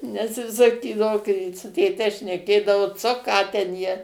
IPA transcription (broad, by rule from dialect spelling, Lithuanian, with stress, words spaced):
nʲɛs ˈjɪs sɐˈkʲiːdɐʋoː kɐɪ sʊ tʲeːˈtʲɛ ʃʲnʲɛˈkʲeːdɐʋoː ˈt͡soː ˈkɑː tʲɛn ˈjiɛ